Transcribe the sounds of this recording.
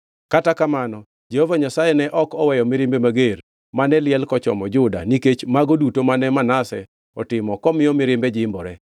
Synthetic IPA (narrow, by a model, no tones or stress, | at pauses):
katakamanɔ | d͡ʒehovaɲasajɛnɛʔɔkɔwɛjɔmɪɾɪmbemaɡer | manɛlɪɛlkɔt͡ʃɔ̰mɔd͡ʒʊda̰niket͡ʃmaɡodutomanɛmanasɛ | ɔtɪmɔkɔmɪjɔmɪɾɪmbɛd͡ʒɪmbɔɾɛ